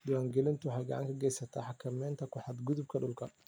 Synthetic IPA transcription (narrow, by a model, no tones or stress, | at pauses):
d̪ʊwaːŋɡɛlɪnt̪ʰʊwħɑjɡɑ̰ʕɑ̰ŋkʰɐɡɛjsɐt̪ʰaːħɑkʰɐmɛːnt̪ʰɐkʰʊħɑd̪ɡʊðʊb̚kʰɐɖʊlkʰɐ